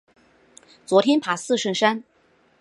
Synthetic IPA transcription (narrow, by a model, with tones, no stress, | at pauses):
t͡swɔ˧˥t̪ʰjɛ˥npʰa˨˩sɹ̩˥˧ʂə˥˩nʂa˥n